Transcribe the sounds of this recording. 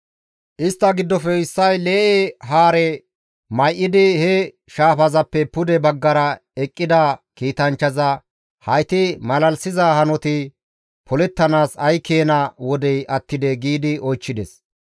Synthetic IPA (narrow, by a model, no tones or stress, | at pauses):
ʔɪst̪ːɐɡɪd̪ːɔfɛɪsːɐjle̞ːʔɛɦaːɾɛ | mɐjʔɪd̪ɪhɛ | ʃaːfɐzɐpːɛpʊd̪ɛbɐɡːɐɾɐɛkʼːɪd̪ɐkiːt̪ɐnt͡ʃːɐzɐ | hɐjt̪ɪmɐlɐlsɪzɐhɐnɔt̪ɪ | pʰɔlɛt̪ːɐnaːsɐjkeːnɐwɔd̪ɛjʔɐt̪ːɪd̪ɛɡiːd̪ɪɔjt͡ʃːɪd̪ɛs